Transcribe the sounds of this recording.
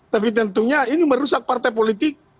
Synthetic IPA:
t̪apit̪̬ənt̪uɲainiməɾusak̚part̪ap̬olit̪ɪk̚

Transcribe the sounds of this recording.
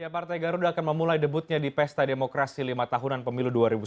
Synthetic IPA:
japart̪ajɡaɾudaːkanməmulajdəbut̪̚ɲadipɛst̪ademokɾasilimat̪aɦunanpəmiluduaɾibu

